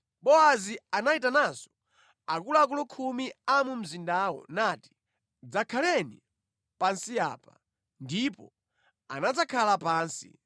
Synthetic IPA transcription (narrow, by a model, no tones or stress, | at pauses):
ɓɔazianaitanazɔ̥ | akulak̬ulɔkʰumiamum̩zindaːwɔ̰nati̥ | d͡zakʰalɛni | pansia̰ːpa | ndipɔ̰ | a̰nad͡zakʰalapaːnsḭ